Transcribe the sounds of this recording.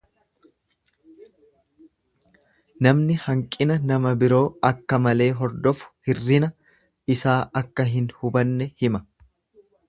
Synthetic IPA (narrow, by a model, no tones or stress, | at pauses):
nɐmnɪhɐŋkʼɪnɐnɐmɐbɪɾo̞ːɐkːɐmɐle̞ːɦɔɾd̪ɔfʊ̥hɪrːɪnɐ | ɪsaːʔɐkːɐɦɪnhʊbɐnːɛhɪmɐ̥